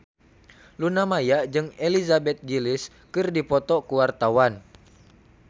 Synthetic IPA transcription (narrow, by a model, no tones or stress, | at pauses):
lunamajad͡ʒɨŋelizabɛt̪̚ɡilɪs | kɨrdipɔt̪ɔkuwart̪awan